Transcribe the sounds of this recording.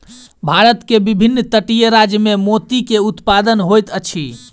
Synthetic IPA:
bʱaɾət̪kebibʱinːt̪əʈijəɾad͡ʒjəmemot̪ikeut̪pad̪ənɦojt̪ət͡ʃʰi

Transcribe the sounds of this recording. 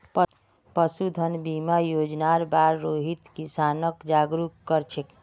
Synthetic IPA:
p | pəsud̪ʱənbimajod͡ʒnaɾbaɾːoɦit̪kisanəkd͡ʒaɡɾukːəɾt͡ʃʰek

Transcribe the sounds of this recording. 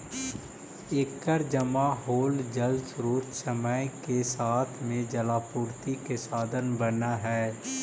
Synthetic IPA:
eːkːəɾd͡ʒəmaɦoːld͡ʒəlsɾoːt̪səməjkesaːt̪ʰmẽd͡ʒəlaːpuːɾt̪ikesaːd̪ʱənbənaɦɛː

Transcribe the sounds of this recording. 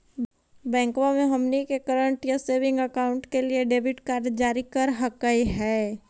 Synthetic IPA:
bɛ̃ːŋkwamẽɦɐmnikekəɾə̃ɳʈjaseːʋɪ̃ŋɡəkaːʊ̃ɳʈkelieɖeːbʱɪʈkaːɾɖd͡ʒaːɾikəɾɦəkaiɦɛː

